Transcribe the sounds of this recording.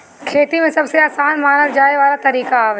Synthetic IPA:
kʰeːt̪imẽsɐbseaːsaːnmaːnəld͡ʒaːeʋaːlat̪ɐɾiːkaaːʋ

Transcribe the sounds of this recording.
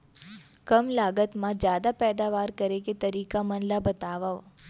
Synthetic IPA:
kəmlaɡət̪mãd͡ʒjad̪apɛd̪aʋaɾkəɾeket̪əɾikamənlabət̪aʋaʋ

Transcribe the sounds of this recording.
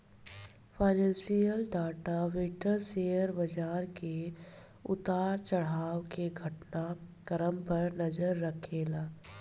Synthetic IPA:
pʰaːɪnɛ̃ːnsijəlɖaːʈaʋeʈəɾseːjəɾbɐd͡ʒaːɾke | ʊ̰t̪aːɾt͡ʃəɽ̤aːwkeɡʱəʈnakəɾəmpɐɾnɐd͡ʒəɾːəkʰeːlaː

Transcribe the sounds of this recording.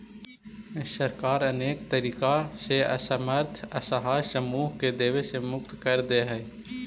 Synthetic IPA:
ɪsːəɾkaːɾəneːk̚t̪əɾiːkaseɐ̰səməɾt̪ʰəsəɦaːjsəmuːɦked̪eːʋesemʊk̚t̪kəɾd̪eɦɛː

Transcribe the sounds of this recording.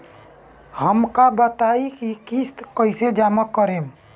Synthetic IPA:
həmkabət̪aikikist̪kəɪsed͡ʒaːməkːəɾẽːm

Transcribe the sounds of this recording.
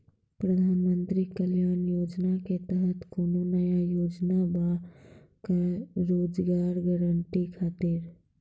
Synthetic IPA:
pɾɐd̪ʱaːnmə̃nt̪ɾikəljaːnjoːd͡ʒnaket̪əɦət̪kononəjajoːd͡ʒnaba | kaɾoːd͡ʒɡaːɾɡəɾəɳʈikʰaːt̪ɪɾ

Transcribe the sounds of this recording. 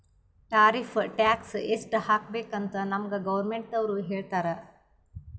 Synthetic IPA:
ʈaːɾifʰʈaːksesʈhaːkbeːkɐnt̪ɐnɐmɡɐɡɐʋɐɾmeɳʈɐʋɾuɦeːɭt̪aːɾɐ

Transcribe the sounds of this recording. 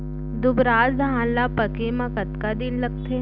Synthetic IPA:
d̪ʊbɾaːzd̪ʱaãːllːapɐkemãkɐt̪kad̪ɪnlɐɡ̚t̪ʰe

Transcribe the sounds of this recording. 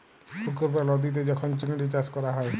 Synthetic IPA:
sukɔɾpalɔd̪it̪̬ed͡ʒɔkʰɔnt͡ʃinɖit͡ʃaskɔɾaɦɔe

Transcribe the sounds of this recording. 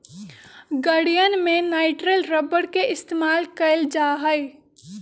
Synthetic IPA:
ɡəɽijənmẽnaːɪʈɾəlɾəbəɽkeʔɪst̪eːmaːlkəɪld͡ʒaːɦəɪ

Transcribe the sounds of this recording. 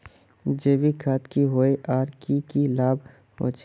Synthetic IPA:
d͡ʒeːʋikʰaːt̪kiɦoeʔaːɾkikilaːb | ɦo̰t͡ʃ

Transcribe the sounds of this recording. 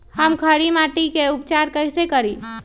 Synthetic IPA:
həmkʰəɽimaʈikeupt͡ʃaɾkəɪsekəɾi

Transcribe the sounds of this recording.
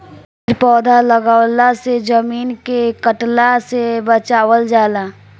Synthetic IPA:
pɪɾpɔːd̪ʱaləɡaːwlased͡ʒəmiːnkekəʈlasebət͡ʃaːwəld͡ʒaːlaː

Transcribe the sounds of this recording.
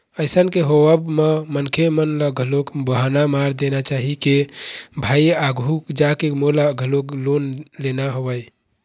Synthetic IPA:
əɪsənkeɦoəbmemənkʰemənləɡʱəlokbəɦanamaɾd̪enat͡ʃaɦikebʱaiaɡʱukd͡ʒakemolaɡʱəloklonlenaɦobəj

